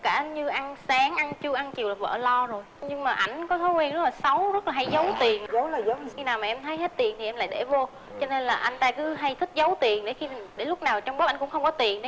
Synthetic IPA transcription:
kaː˧˩ɲɨ˧ʔa˧ŋsaː˨˦ŋʔa˧nt͡ɕɨ˧əʔa˧nt͡ɕi˨˩əwlːaː˨˩və̰ː˧˨lɔ˧zo˨˩jɲɨ˧ŋmaː˨˩ʔa˧˩jŋ̟kɔ˨˦t̪ʰo˨˦kwɛ˧nzə˦˥laː˨˩sa˨˦wzə˦˥t̚laː˨˩ɦa˧˩˦jzə˨˦wt̪i˨˩ənə˨˦˨ə˨˦xi˧naː˨˩wmaː˨˩ʔɛ˧mt̪ʰə˨˦jhe˦˥t̚t̪i˨˩ənt̪ʰi˨˩ɛ˧mla̰ː˧˨ɗe˧˩vo˧ | t͡ɕɔ˧ne˧nlaː˨˩ʔa˧jŋ̟t̪aː˧kɨ˨˦ɦa˧jt̪ʰï˦˥k̚zə˨˦wt̪i˨˩ənɗe˧˩xi˧˨˩ɗe˧˩˦lʊ˦˥k͡p̚naː˨˩wt͡ɕwŋ͡mɓə˦p̚ʔa˧˩ŋkʊ̰˧˥ŋ͡mxə˧wŋ͡mkɔ˨˦t̪i˨˩ənɗ

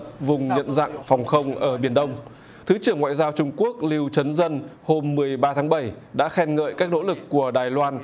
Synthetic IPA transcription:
p̚vʊ˨˩ŋ͡mɲə̰˧˨nza̰˧˨ŋfɔ˨˩wŋ͡mxə˧wŋ͡mʔəː˧˩ɓi˧˩ənɗə˧wŋ͡m | t̪ʰɨ˨˦t͡ɕɨ˧˩əŋwa̰ː˧˨jzaː˧wt͡ɕʊ˧ŋ͡mku˦˥ək̚li˧wt͡ɕə˨˦nzə˧nho˧mːɨ˨˩əjɓaː˧t̪ʰaː˨˦ŋɓə˧˩j | ɗa̰ː˧˥xɛ˧nŋə̰ː˧˨jkaː˦˥k̚no̰˧˥lɨ˨˩kːu˧˩əɗaː˨˩jlwaː˧n

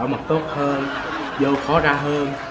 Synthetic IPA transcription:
wmə˨˩t̚t̪o˦˥t̚həː˧n | zəː˧wxɔ˨˦zaː˧ɦəː˧n

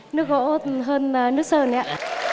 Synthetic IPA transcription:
nɨ˦˥ək̚ɣo̰˧˥ɦəː˧na˨˩nɨ˦˥ək̚səː˧˩nɛ˧˨a˧˨

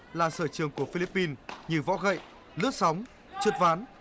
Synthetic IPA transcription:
laː˨˩səː˧˩t͡ɕɨ˨˩əŋku˧˩əfi˧li˦˥pːi˧nɲɨ˧˩vɔ̰˧˥ɣə̰˧˨j | lɨ̰˧˥ək̚sa˨˦wŋ͡m | t͡ɕu˨˩t̚vaː˨˦n

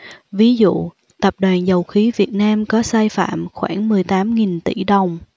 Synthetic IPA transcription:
vi˨˦zṵ˧˨ | t̪ə˨˩p̚ɗwaː˨˩nzə˨˩wxi˨˦vi˨˩ət̚naː˧mkɔ˨˦saː˧jfa̰ː˧˨mxwa̰ː˧˩nmɨ˨˩əjt̪aː˨˦mŋi˨˩nt̪i˧˩ɗə˨˩wŋ͡m

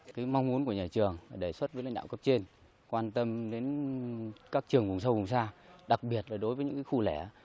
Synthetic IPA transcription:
kaː˨˦jma˧wŋ͡mmu˨˦nku˧˩əɲaː˨˩t͡ɕɨ˨˩əŋaː˨˩ɗe˧˩swə˦˥t̚vəː˨˦la̰˧˨ŋɗa̰ː˧˨wkə˦˥p̚t͡ɕe˧n | kwaː˧nt̪ə˧mɗe˨˦n | kaː˦˥k̚t͡ɕɨ˨˩əŋvʊ˨˩ŋ͡msə˧wvʊ˨˩ŋ͡msaː˧ɗa˨˩k̚ɓi˨˩ət̚laː˨˩ɗo˨˦jvəː˨˦ɲɨ̰˧˥kaː˨˦xu˧lɛ˧˩

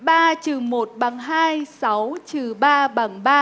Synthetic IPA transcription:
ɓaː˧t͡ɕɨ˨˩mo˨˩t̚ɓa˨˩ŋɦaː˧jsa˨˦wt͡ɕɨ˨˩ɓaː˧ɓa˨˧˩ŋɓaː˧

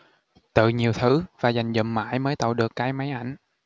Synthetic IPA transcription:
t̪ɨ̰˧˨ɲi˨˩əwt̪ʰɨ˨˦vaː˨˩za˨˩jŋ̟zə̰˧˨˩mma̰ː˧˥˦jməː˨˦jt̪ə̰˧˨wɗɨ˨˩əkːaː˨˦jma˨˦jʔa˧˩jŋ̟

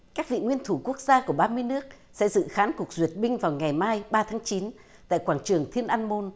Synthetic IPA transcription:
kaː˦˥k̚vḭ˧˨ŋwi˧ənt̪ʰu˧˩ku˦˥ək̚zaː˧ku˧˩əɓaː˧mɨ˧əjnɨ˦˥ək̚ | sɛ̰˧˥zɨ̰˧˨xaː˨˦nku˨˩ək̚zwi˨˩ət̚ɓï˧ŋ̟vaː˨˩wŋa˨˩jmaː˧jɓaː˧t̪ʰaː˨˦ŋt͡ɕi˨˦n | t̪a̰ː˧˨jkwaː˧˩nt͡ɕɨ˨˩əŋt̪ʰi˧ənʔaː˧nmo˧n

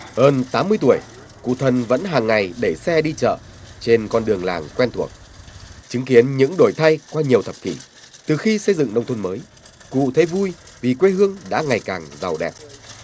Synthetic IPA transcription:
həː˧nt̪aː˨˦mːɨ˧əjt̪̬u˧˩əj | kṵ˧˨t̪ʰə˨˩nvə̰˧˥nɦaː˨˩ŋːa˨˩jɗe˧˩sɛ˧ɗi˧t͡ɕə̰ː˧˨t͡ɕe˧nkɔ˧nɗɨ˨˩əŋlaː˨˩ŋkwɛ˧nt̪ʰu˧˩ək̚t͡ɕɨ˨˦ŋki˨˦ənɲɨ̰˧˥ŋɗo˧˩jt̪ʰa˧jkwaː˧ɲi˨˩əwt̪ʰə˨˩p̚t̪ʰi˧˩ | t̪ɨ˨˩xi˧sə˧jzɨ̰˧˨ŋnə˧wŋ͡mt̪ʰə˧nməː˨˦j | kṵ˧˨t̪ʰe˨˦vu˧jvi˨˩kwe˧ɦɨ˧əŋɗa̰ː˧˥ŋa˨˩jkaː˨˩ŋza˨˩wɗɛ̰˨˩p̚

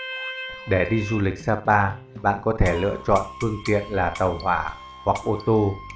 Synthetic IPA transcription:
ɗe˧˩ɗi˧zu˧lï˨˩k̚saː˧paː˧ | ɓa̰ː˧˨nkɔ˨˦t̪ʰe˧˩lɨ̰˧ət͡ɕɔ̰˧˨nfɨ˧əŋt̪ḭ˧˨ənlaː˨˩t̪ə˨˩whwaː˧˩ | hwa˨˩k̚ʔo˧t̪o˧

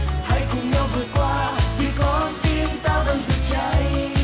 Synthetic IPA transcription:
ha˧jkʊ˨˩ŋ͡mɲa˧wvɨː˨˩əjkwaː˧vʰi˨˩kɔ˨˦˧t̪i˧ənt̪aː˧və˧˩nzɨ˨˩t̚t͡ɕə˧˦j

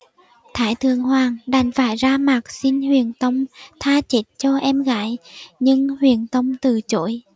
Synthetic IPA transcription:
t̪ʰaː˧˩jt̪ʰɨ˨˩əŋhwaː˨˩ŋɗa˨˩jŋ̟faː˧˩jzaː˧maː˨˩k̚si˧nhwḭ˧˨ənt̪ə˧wŋ͡mt̪ʰaː˧t͡ɕe˨˦˥t̚t͡ɕɔ˧ʔɛ˧mɣa̰ː˧˥˦jɲɨ˧ŋhwḭ˧˩ənt̪ə˧wŋ͡mt̪ɨ˨˩t͡ɕo̰˧˥˦j

